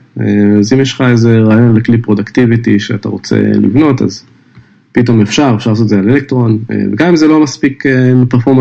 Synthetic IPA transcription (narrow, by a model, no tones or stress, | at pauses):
eazimjeʃlχaezeʁaːjo̞nleklipʁo̞d̪akt̪ivit̪iʃeata̰ʁo̞t͡se̞̰lḭvno̞t̪a̰z | pito̞mefʃaʁefʃaʁlaːsotzealelek̚t̪ʁo̞nḛveɡamimzelo̞maspikemipeʁfo̞ma